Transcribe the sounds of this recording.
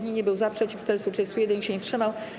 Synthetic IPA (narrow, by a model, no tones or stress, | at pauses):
ɲiɲɛbɘwzapʂɛt͡ɕift̪ɛsut͡ʂɛsujɛd̪ɛnɲʲiɕɛɲɛtʂɘmaw